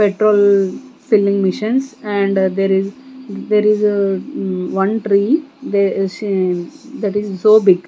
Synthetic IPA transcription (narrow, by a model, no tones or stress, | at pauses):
peʈɾoːlfɪlːĩŋɡmɪʃə̃nsɛ̃ɳɖd̪eɾɪzd̪eːɾɪz | ʋʌ̃nʈɾiːd̪e | d̪æʈɪzsoːbɪɡ